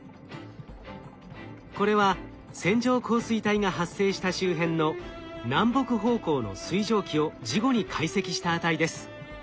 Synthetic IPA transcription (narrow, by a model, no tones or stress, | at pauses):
ko̞ɾe̞βa | sẽ̞ɲ̟d͡ʑo̞ːkʰo̞ːsɨit̪aiŋaɦasːe̞ːɕi̥t̪aɕɨːɦẽ̞nːo̞nãmbo̞kɯ̟ɦo̞ːko̞ːno̞̰sɨiʑo̞ːkʲio̞d͡ʑiɡo̞ɲ̟ikʰaise̞kʲiɕi̥t̪aːt̪aid̪e̞sɨ̥